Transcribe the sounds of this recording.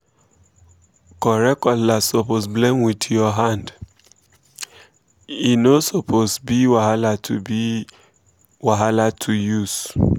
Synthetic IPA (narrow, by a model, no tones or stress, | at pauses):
kɔɾɛkɔlasoposblemwidjɔɦand | inosopʰosbiwaɦalatʰubi | waɦalatʰujus